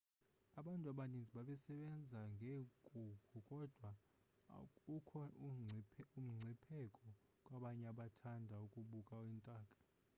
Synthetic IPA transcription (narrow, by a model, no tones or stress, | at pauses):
aɓantʼuaɓanind͡zʱiɓaɓɛsɛɓɛnd͡zʱaŋɡʱeɡʱʼukʰukʼɔd̥ʱwa | ukʰɔ | um̩ŋ͡ǀʱipʰɛkʼɔ | kʼwaɓaɲɛaɓatʰandʱaukʼuɓukʼawiːntʼaːkʼḁ